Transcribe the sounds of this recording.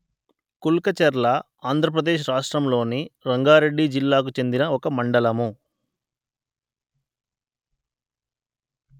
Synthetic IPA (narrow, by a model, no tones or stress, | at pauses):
kulkɐt͡ʃɐɾlɐ | aːnd̪ʱɾɐp̬ɾɐd̪eːʃ̬ɾaːʂʈɾɐmlo̞ːniɾɐŋɡaːɾe̞ɖːid͡ʒilːaːk̬ut͡ʃe̞nd̪inɐɔkɐmɐɳɖɐlɐmu